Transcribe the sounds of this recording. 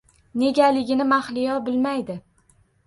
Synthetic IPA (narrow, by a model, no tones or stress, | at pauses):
ne̞ɡʲalɪɡʲɪnɪmaχlɪjɒbɪlmajd̪ɪ